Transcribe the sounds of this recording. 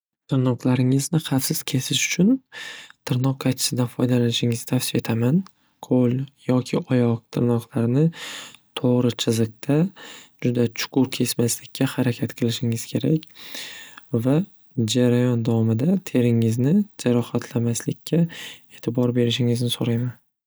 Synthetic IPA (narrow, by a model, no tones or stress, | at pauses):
t̪ʰɪɾnɒqlˠaɾɪŋɪznɪqafsɪz̥kʲʰe̞sɪʃʊ̥t͡ʃʰʊnt̪ʰɪɾnɒqːajt͡ʃʰɪ̥sɪd̪anfɒjd̪alanɪʃɪŋɪzt̪ʰafsɪfe̞t̪ʰaman | qʰoljɒkʲʰɪʔɒjɒq̚t̪ʰɪɾnɒqlaɾnɪt̪ʰoʁɾɪt͡ʃʰɪzɨq̚t̪ʰad͡ʒʊd̪at͡ʃʰʊ̥kʊɾkʲʰe̞smaslɪkʲʰːahaɾakʲʰat̪qʰɨlˠɪʃɪŋɪz̥kʲʰe̞ɾakʲ | va | d͡ʒaɾajɒnd̪avɒmɪd̪at̪ʰe̞ɾɪŋɪznɪd͡ʒaɾɒhat̪ʰlamaslɪkʲʰːae̞ːt̪ʰɪbɒɾbe̞ɾɪʃɪŋɪznɪsoɾajman